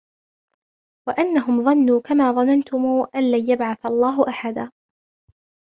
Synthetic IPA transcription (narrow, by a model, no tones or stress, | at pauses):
waʔanːaɦʊmðˤɑnːuːkamaːðˤɑnant̪ʊmuːʔanlaːjabʕaθalˤːɑːɦʊʔaħad̪aː